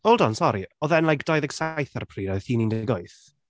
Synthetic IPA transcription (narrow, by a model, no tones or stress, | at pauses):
ɔlˠdɔnsɔɾiɔðɛnlaɡdɔjðɛɡsajθarpʰriːɾaθiːnindɛɡɔjθ